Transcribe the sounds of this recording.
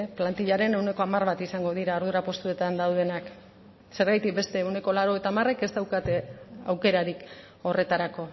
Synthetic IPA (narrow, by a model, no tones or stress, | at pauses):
plant̪iʎaɾe̞ne̞wne̞ko̞amarβat̪isaŋɡo̞ð̞iɾao̞ɾð̞uɾapo̞st̪ue̞t̪and̪awðe̞nak | se̞ɾɣajt̪ik̚be̞st̪e̞ːwne̞ko̞laɾo̞et̪amare̞ke̞st̪awkat̪eawke̞ɾaɾik | o̞re̞t̪aɾako̞